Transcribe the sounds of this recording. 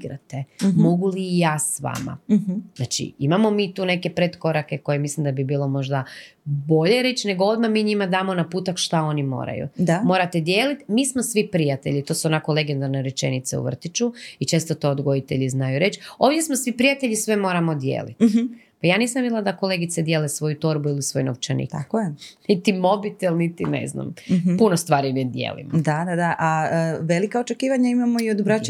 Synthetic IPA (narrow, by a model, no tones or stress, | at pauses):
iɡɾa̰t̪emo̞ɡuliːjaːsʋa̰ma̰znat͡ʃḭimamo̞miːt̪uːne̞ke̞pɾet̪ko̞ɾake̞ko̞je̞mislimd̪abibiːlo̞mo̞ʒd̪abo̞ʎe̞ɾe̞t͡ʃne̞ɡoo̞d̪mamiːɲimad̪aːmo̞napuːt̪akʃt̪ao̞nimo̰ːɾa̰jṵd̪amo̞ːɾat̪e̞d̪jeːlit̪miːsmosʋipɾijat̪e̞̰ʎit̪o̞ːsuonako̞le̞ɡe̞nd̪aɾneɾet͡ʃe̞̰nit̪seṵʋr̩t̪it͡ʃuit͡ʃe̞ːst̪ot̪o̞ːd̪ɡo̞jit̪e̞̰ʎiznajuɾe̞t͡ʃoːʋd̪jesmosʋipɾijat̪eʎisʋe̞mo̞ːɾamo̞d̪jḛːlḭt̪ | pajaːniːsamʋid̪ilad̪ako̞le̞ɡit̪sed̪jeːlesʋo̞jut̪o̞ɾbuilisʋo̞jnoʋt͡ʃenḭːkt̪akojenit̪imo̞bit̪elˠnit̪inḛzna̰mpunost̪ʋaːɾimid̪jḛːlḭmod̪ad̪ad̪aʔaəʋelikaot͡ʃekiːʋaɲaimamoiod̪bɾa